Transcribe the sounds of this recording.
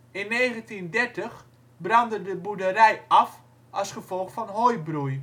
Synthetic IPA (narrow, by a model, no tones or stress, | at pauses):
ɪnːejχəntindɛɹtəχ | brɑndədəbudəɾɛjɑf | ɑlˠsχəv̥ɔlˠχfɔnɦojbruj